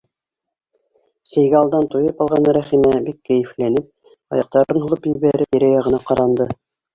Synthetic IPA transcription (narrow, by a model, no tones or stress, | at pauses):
sæ̆jɡæːlˠd̪ɑnt̪ujɤpɑlˠʁɑnɾæχimæbikːæjɘ̆flænɘp̚ | ɑ̰jɑq̚t̪ɑɾɤnɦulˠɤpjɘ̆βæɾɘpjɘɾæjɑʁɤ̆nɑqɑɾɑnd̪ɤ